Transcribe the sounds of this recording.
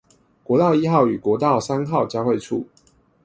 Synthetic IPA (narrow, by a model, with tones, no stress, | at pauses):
kwɔ˧˥˦t̪ɑ˥˨i˦xɑ˥˨ʊy˨˩kwɔ˧˥t̪ɑ˥˨ʊsa˦nxɑ˥˨ʊt͡ɕjɑ˥˧ʊxwe˥˨ɪʈ͡ʂʰṵ˥˨